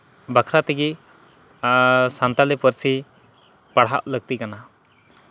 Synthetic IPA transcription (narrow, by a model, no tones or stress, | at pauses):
bakʰɾat̪ɛɡi | sant̪alɛpəɾsi | paɽɦa̰ʔləɡ̚t̪ikana